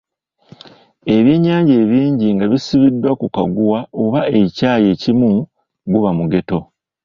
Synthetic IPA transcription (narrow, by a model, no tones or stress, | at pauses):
e̞βjeɲːaːɲɟe̞ːβiːɲɟiŋɡaβisiβidwakuka̰ɡuwao̞βaecaːje̞ːcimu | ɡuβamuɡe̞to̞